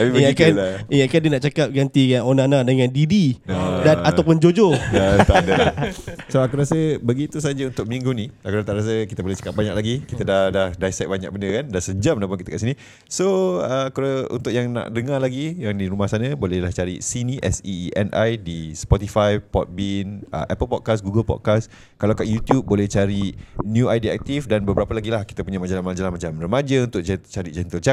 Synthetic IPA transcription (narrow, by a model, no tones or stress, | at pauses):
aiakaniakandiənaʔt͡ʃakap̚ɡant̪ikanonãnãdəŋãndididanat̪awpʊnd͡ʒod͡ʒojat̪adəlsoakuɾasəbəɡit̪us̬ad͡ʒaunt̪ʊk̚mĩŋɡunĩakuɾat̪aʔɾas̬əkit̪əbolɛht͡ʃḁkap̚baɲak̚laɡikit̪ədahdahdajsɛt̚baɲa̰k̚bəndəkandansəd͡ʒam̚nãpʊnkit̪əkaʔsinĩ | soəkɾəṵnt̪ʊkʔjaŋna̰ʔdəŋalaɡijaŋdiɾumahsanə̃bolɛhlaht͡ʃaɾisinĩʔɛsiʔɛnʔa̰jdispɔt̪ifajpɔt̪̚binə̰ʔɛpəlpɔt̚kasɡuɡəlpɔ̰d̚kas | kalawkaʔjut̪jub̚ːolɛht͡ʃaɾinjũajdiɛ̰k̚t̪ifdanbəbəɾapəlaɡilahki̥t̪apuɲamad͡ʒalamãd͡ʒalamat͡ʃamrəmad͡ʒəunt̪ʊʔd͡ʒt͡ʃaɾid͡ʒɛnt̪əlt͡ʃa